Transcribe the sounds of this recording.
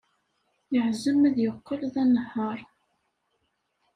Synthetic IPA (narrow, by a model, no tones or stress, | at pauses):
jəʕzəmæðjəqːəlðænəhːɑɾˤ